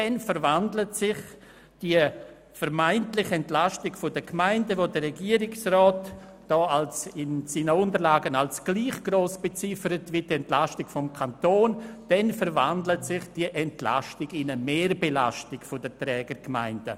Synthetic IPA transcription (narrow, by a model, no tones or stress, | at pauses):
d̥ɛnfəɾvandlətsɪχ | d̥iə | fəɾmaɪntlɪχɛntlastɪkfʊdəkmaɪndəvodəɾɛɡiːəɾɪksrɔːt | d̥ɔːalsɪnsiːnəʊntəɾlaːɡənalsɡ̥liːχɡ̥ɾoːsb̥et͡sɪfəɾətvidɛntlastɪkfɔmkʰantoːnd̥ɛnfəɾva̰ndlətsɪχd̥iʔɛntla̰ʃtɪɡɪnəmeːɾbela̰stɪkfʊdətɾɛːɡəɾkma̰ɪnd̥ə